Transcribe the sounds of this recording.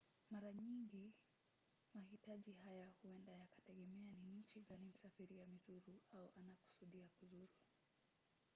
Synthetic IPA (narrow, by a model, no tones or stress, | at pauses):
maɾaɲiŋɡi | mahitaʄiɦajahuɛndajakḁtɛɠɛmɛaniɲ̩t͡ʃiɡanim̩safiɾiamizuɾuauʔanaku̥suɗiakuzuɾu